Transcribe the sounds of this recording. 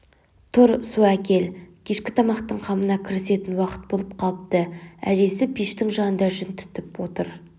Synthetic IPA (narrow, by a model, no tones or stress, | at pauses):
t̪ʰʊɾsuækʲʰe̞lkʲʰe̞ʃkʲɪ̥t̪ʰɑmɑqt̪əɴqʰɑmənɑkʲʰɪɾɪse̞t̪ɪnwɑqə̥t̪̚bo̞lˠəp̚qʰɑlˠəp̚t̪əæ̰ʒe̞sɪbʰijʃt̪ɪŋʒɑnənd̪ɑʒɪnt̪ʰʏ̥t̪ɪpwo̞t̪əɾ